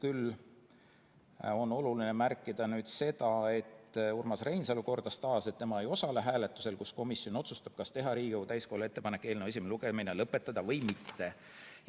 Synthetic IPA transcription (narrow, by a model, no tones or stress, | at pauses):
kyl | o̞no̞lulinemærkːˑid̪̥ɑnyːd̪̥se̞d̪̥ɑe̞t̪ːurmɑsre̞jnsɑluko̞rd̪̥ɑst̪ɑːse̞t̪ːemɑe̞jo̞sɑleɦæːle̞t̪ˑːu̥se̞lkusko̞misio̞no̞t̪sust̪ɑb̥̚kɑst̪e̞ɦɑɾiːɡowt̪æjsko̞hule̞t̪ːe̞pɑnekːˑe̞ːlnewes̬ʲimeluɡ̥eminelɤpːˑe̞t̪ːˑɑd̪̥ɑvɤ̞jmit̪ːe̞